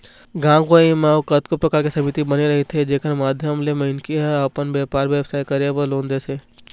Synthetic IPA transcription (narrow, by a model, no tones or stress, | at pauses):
ɡãːɡoimaːkɐt̪kopɾɐkaːɾkisɐmɪt̪ibɐneɾɐɦet̪ʰed͡ʒeːkʰənmaːd̪ʱjəmlemɪnkiɦɛɐpənbeːpaːɾʋjeːbsaːikɐɾeʋəlõːnd̪eseː